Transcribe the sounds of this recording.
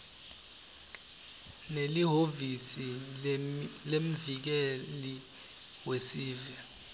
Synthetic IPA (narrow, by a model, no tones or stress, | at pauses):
neliɦovisi | lem̩vik̬ɛli | wesiːva